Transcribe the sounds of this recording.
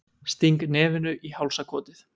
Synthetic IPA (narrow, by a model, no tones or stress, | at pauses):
st̪iŋknɛːvɪnʏʔihawlsakʰɔːt̪ɪθ